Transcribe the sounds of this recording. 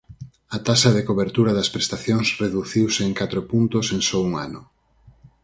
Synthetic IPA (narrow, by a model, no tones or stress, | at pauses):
ɐt̪asɐðekoβeɾt̪uɾɐðɐspɾest̪aθjoŋsreðuθiwseːŋkat̪ɾopunt̪oseŋsɔuŋa̰nʊ